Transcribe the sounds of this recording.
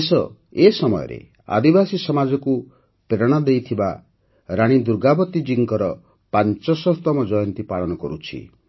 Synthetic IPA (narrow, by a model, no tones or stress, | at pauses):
sɔ | esɔmɔjɔ̰ɾḛ | a̰d̪ibasisɔmad͡ʒɔku | peɾɔɽ̃ad̪ejt̪ʰiba | ɾaɽ̃id̪uɾɡabɔt̪id͡ʒiŋkɔɾɔ | pant͡ʃɔsɔɦt̪ɔmɔd͡ʒɔjɔnt̪ipaɭɔnɔkɔɾut͡ʃʰḭ